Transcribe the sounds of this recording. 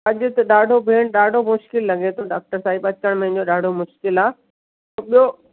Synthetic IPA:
ɐʄʊ̆t̪ɐɗaːɖʱobʱeːɽ̃ɗaːɖʱomʊʃkɪlːɐɡet̪ʰoɖaːk̚ʈəɾsaːibɐt͡ɕkəɽ̃mẽɦɪ̃ɲd͡ʑoɗaːɖʱomʊʃkɪlaː | oɓijo

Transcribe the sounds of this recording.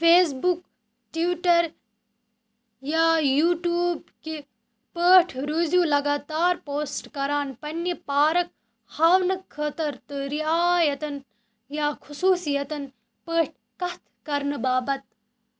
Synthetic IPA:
feːs̬buk | ʈiʋiʈɐɾ | jaːjuːʈjuːbki | pəːʈʰɾozjuːlɐɡaːt̪aːɾpoːsʈkɐɾaːnpɐnːɐpaːɾɐk̚ | haːwnɐkʰːɐt̪ɐɾt̪ɨɾiaːjɐt̪ɐn | jaːkʰusuːsijɐt̪ɐn | pəːʈ̚ʰ | kɐt̪ʰkɐɾnɨbaːbɐt̪̚

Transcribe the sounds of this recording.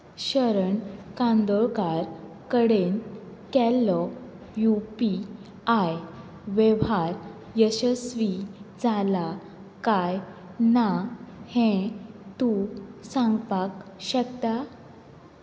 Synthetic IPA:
ɕəɾəɳkãnd̪ɔɭkaɾ | kəɽenkɛlːɔ | jupi | aj | ʋɛʋaɾ | jəɕəsʋid͡zala | kaj | nahɛ̃t̪usãŋɡpakɕək̚t̪a

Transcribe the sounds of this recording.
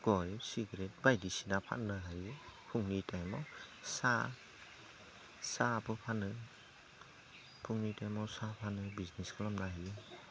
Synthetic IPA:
ɡ̥ɔjsiɡɾet̚bajdisinapʰa̰tnɯɦajupʰuŋnitajmawsa | sapʰɯpʰanɯ | pʰuŋnitajmawsapʰanɯbizneskɯlamnaɦaju

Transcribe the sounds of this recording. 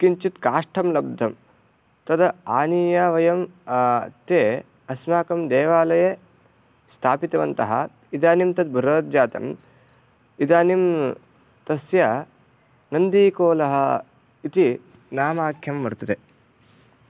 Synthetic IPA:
kiɲt͡ʃit̪kaːʂʈʰɐmlɐb̚d̪ʱːɐm | t̪ɐd̪ɐaːniːjaːʋɐjɐm | t̪eː | ɐsmaːkɐmd̪eːʋaːlɐje | st̪ʰaːpit̪ɐʋɐnt̪ɐɦɐ̰ | id̪aːnimt̪ɐd̪̚bʱuɾɐːt̪̚d͡ʒaːt̪ɐ̰m | id̪aːnim | t̪ɐsjɐ | nɐnd̪iːkoːlɐɦɐ | it̪i | naːmaːkʰjɐmːɐɾt̪ɐt̪e

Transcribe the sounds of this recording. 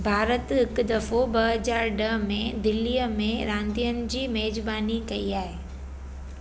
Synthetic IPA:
bʱaːɾət̪ɦɪkd̪ɐfobɐɦəd͡ʑaːɾɖɐɦmẽd̪ɪlːijəmẽɾãːnd̪ijənɪ̆d͡ʑiːmeːd͡ʑbaːnikɐiaːɦeː

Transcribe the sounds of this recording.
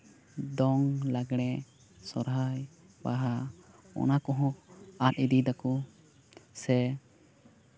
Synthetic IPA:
d̪ɔŋlaɡɽ̃ɛ | sɔɾɦaj | baɦa | ɔ̰nakɔɦɔ̃at̪̚id̪id̪aku | sɛ

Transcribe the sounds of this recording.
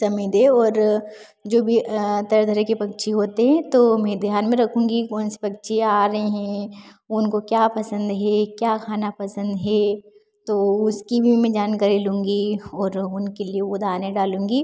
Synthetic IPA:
sɐmid̪eɔːɾ | d͡ʒoːbʱit̪ɐɾd̪ʱɐɾekepɐk̚t͡ʃʰiɦoːt̪eɦɛ̃t̪omɛ̃d̪ʱijaːnmẽɾɐkʰũːŋɡikɔːnsi̥pɐkt͡ʃʰeaːɾɐɦeɦɛ̃ | ʊnkokjaːpɐsə̃nd̪ɦɛkjaːkʰaːnapɐsə̃nd̪ɦɛː | t̪oʊskibʱimẽd͡ʒaːnkɐɾilũːŋɡiɔːɾʊnkelieod̪ʱaːnẽɖaːlũːŋ̆ɡiː

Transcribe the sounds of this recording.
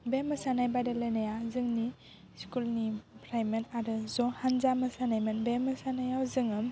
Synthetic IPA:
bemɯsanajbajdalajnajazɯŋni | skulnipʰɾajmenaɾɯzɔhanzamɯsanajmɯnbemɐsanajawzɯŋɯm

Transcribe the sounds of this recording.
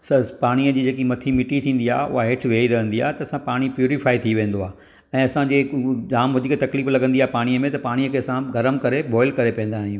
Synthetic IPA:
sɐpaːɽ̃iəd͡ʑiːd͡ʑeːkimɐt̪ʰimɪʈit̪ʰĩːn̆d̪iaːeʊ̰ɦaɦɪʈʰʋeːiɾɐɦə̃nd̪iaːɦet̪ɐɐsãpaːɽ̃ipjuːɾɪfaːit̪ʰiʋẽːn̆d̪oaːɦ | ɛ̃ːɐsãd͡ʑeːd͡ʑaːmɦʊd͡ʑɪket̪ɐkliːflɐɡə̃nd̪iaːɦepaːɽ̃ijəmẽt̪ɐpaːɽ̃iəkʰeːɐsãɡɐɾəmkɐɾebɔːɪlkɐɾepɛ̃ːn̆d̪aːɦijũː

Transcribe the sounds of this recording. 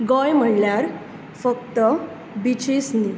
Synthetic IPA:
ɡɔjm̤əɳljaɾ | fəkt̪ə | bit͡ɕesni

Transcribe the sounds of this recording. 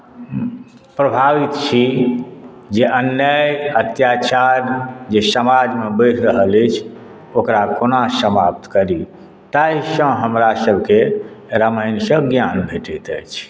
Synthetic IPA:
pɾəbʱaʋit̪̚t͡ʃʰi | d͡ʒeʔənjəjət̪jat͡ʃaɾd͡ʒesəmad͡ʒmebəjʈʰɾəɦələt͡ʃʰ | okɾakonasəmap̚t̪kəɾi | t̪aisə̃ɦəmɾasəbʱke | ɾəməɪnsə̃ɡjanbʱeʈɛt̪ə̰jt͡ʃʰ

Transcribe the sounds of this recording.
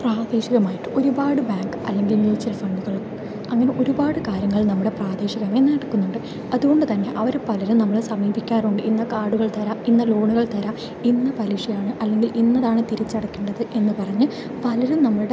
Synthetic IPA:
praːd̪eːɕiɣɐmaːjiʈːɨ̥ʔo̞ɾubaːɽɨbaːŋɡɐ̰lːe̞ŋɡilmjuːt͡ɕːɐɾɐfɐɳɖuɣɐɭum | ɐŋːɐne̞ʔo̞ɾubaːɽɨkaːɾjɐŋːɐɭnɐmːuɽe̞praːd̪eːɕiɣɐme̞nːɐɽɐkːunːuɳɖɨ | ɐðuɣo̞ɳɖɨt̪ɐnːe̞ʔɐʋɐɾepɐlɐɾumnɐmːɐɭsɐmiːbikʲːaːruɳɖɨʔinːɐkaːɽuɣɐɭt̪ɐɾaminːɐlo̞ːɳuɣɐɭt̪ɐɾam | inːɐpɐɾiʂɐjaːɳɨʔɐlːe̞ŋɡilʔinːɐðaːɳɨt̪iɾɐt͡ɕːɐɽɐkːeːɳɖɐðɨʔe̞nːɨpɐrɐɲːɨ | pɐlɐɾumnɐmːɐɭɨɽe

